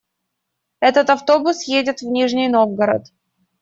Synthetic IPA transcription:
ɛt̪ət̪ɐft̪o̞bʊsjedʲɪt̪vnʲiʐnʲɪjno̞vɡəɾə̰t̪

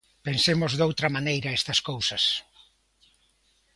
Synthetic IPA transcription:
pensemozðowt̪ɾɐmanejɾɐɛst̪ɐskowsɐs

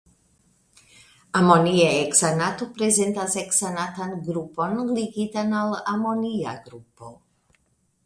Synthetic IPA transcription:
amoniaeksanatopɾeze̞ntaseksanatanɡɾupo̞nliɡitanalamo̞nia̰ɡɾupo̞

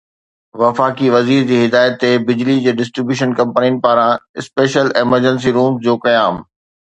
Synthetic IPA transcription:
ʋɐfaːkiʋɐziːɾd͡ʑiːɦɪd̪aːɪjət̪ːebɪd͡ʑlid͡ʑeːɖɪsʈɾɪbjuːʃənkɐ̃mpniʊnɪ̆paːɾãɪspeːʃəleːməɾd͡ʑə̃ns̬iɾuːmsd͡ʑoːkɐjaːm

